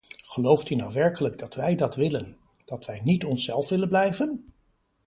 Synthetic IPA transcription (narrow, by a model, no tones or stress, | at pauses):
χəlowftynawʋɛɹkələɡdɑtʋɛjdɑtʋɪlən | d̥ɑtʋɛjnitɔnsɛlˠfʋɪlənblɛjvən